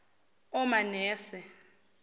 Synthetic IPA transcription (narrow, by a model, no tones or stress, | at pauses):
ɔmanɛːsɛ